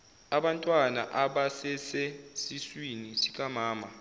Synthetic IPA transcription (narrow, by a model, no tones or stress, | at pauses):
aɓantʼwana̰ʔaɓasɛseɛsiswinisik̬ʼamaːma